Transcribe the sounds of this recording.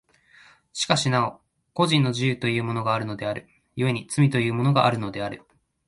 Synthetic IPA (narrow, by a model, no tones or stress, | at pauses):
ɕi̥kaɕinao | ko̞ʑĩnːo̞ʑijɯ̟ːt̪o̞jɯ̟ːmo̞no̞ɡaːɾɯ̟no̞d̪e̞aɾɯ̟ | jɯ̟e̞ɲ̟it͡sɨmʲit̪o̞jɯ̟ːmo̞no̞ɡaʔaɾɯ̟no̞d̪e̞aɾɯ̟